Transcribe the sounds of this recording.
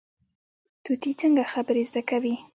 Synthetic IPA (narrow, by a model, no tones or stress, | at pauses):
t̪ut̪it͡səŋɡaxabəɾezd̪akawi